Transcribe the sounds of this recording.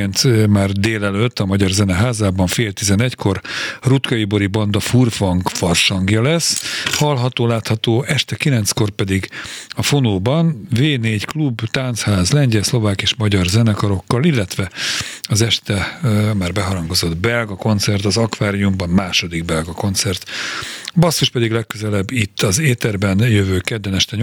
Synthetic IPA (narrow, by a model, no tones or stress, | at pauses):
nt̪maːrd̪eːlɛløːt̪ːɒmɒɟɒrzɛnɛɦaːzaːbɒɱfeːlt̪izɛnɛcko̞rrut̪kɒjibo̞ɾibɒnd̪ɒfurfɒŋkfɒrʃɒŋɡjɒlɛshɒlɦɒt̪oːlaːt̪hɒt̪oːʔɛʃt̪ɛkilɛnt̪sko̞rpɛd̪iɡɒfonoːbɒnveːneːɟklubt̪ant̪shaːzlɛɲɟɛlslo̞vaːkieːʃmɒɟɒrzɛnɛkɒɾo̞kːɒlilːɛt̪ʋɛɒzɛʃt̪ɛmaːrbɛɦɒɾɒŋɡo̞zo̞d̪bɛlɡɒko̞nt̪sɛrt̪ɒzɒkʋaːɾiumbɒmmaːʃo̞d̪iɡbɛlɡɒko̞nt̪sɛrt̪ | bɒsːoʃpɛd̪iɡlɛkːøzɛlɛbːit̪ːɒzeːt̪ɛrbɛnjøvøːkɛd̪ːɛnɛʃt̪ɛɲ